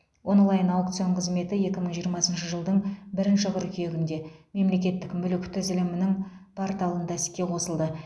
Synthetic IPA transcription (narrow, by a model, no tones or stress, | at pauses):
wo̞nlˠɑjənɑwk̚t̪sɨjoɴqʰəzme̞t̪ɪje̞kʲɪməɴʒijəɾmɑsənʃəʒəlˠd̪əɴbɪɾɪnʃɪʁəɾkʲʰje̞ɡʲɪnd̪e̞me̞mle̞kʲe̞t̪ːɪkmʏlɪkʲt̪ʰʏzɪlɪmɪnɪŋ | pʰoɾt̪ɑlˠənd̪ɑsɪ̥kʲːe̞qʰo̞səlˠd̪ə